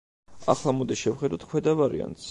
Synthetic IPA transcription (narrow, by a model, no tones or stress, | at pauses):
aχlˠamɔd̪iʃɛvχɛd̪at̪̚ʰkʰwɛd̪avaɾḭa̰nt̪s